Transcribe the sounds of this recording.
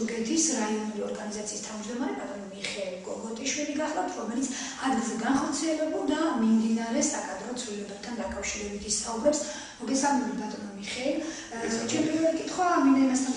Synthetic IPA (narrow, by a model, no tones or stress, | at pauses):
ɡɛt̪ʰisɾaiɔnuliɔɾɡanizat̪sʰiːst̪ʰavmd͡ʒd̪ɔmaɾɛpʼat̪ʼɔnamiχɛilɡɔɡɔt̪ʼiʃwiliɡaχlˠapt̪ʰɾɔmɛlit̪sʰ | ad̪zɛɡanχɔɾt̪sʰiɛlɛbulˠd̪amimd̪inaɾɛsakʼad̪ɾɔt̪sʰvilɛbɛb̚t̪ʰand̪akʼafʃiɾɛbit̪ʰist̪ʰaubɾɛps | mɔɡɛsalˠmɛbit̪dat̪ʼɔnamiχɛil | t͡ʃʰɛnpʼiɾvɛlikʼit̪ʰχwamind̪aimast̪ʰan